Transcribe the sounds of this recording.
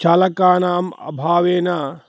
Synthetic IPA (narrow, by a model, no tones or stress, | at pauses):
t͡ʃʰɐlɐkaːnaːmɐ̰bʱaːʋeːna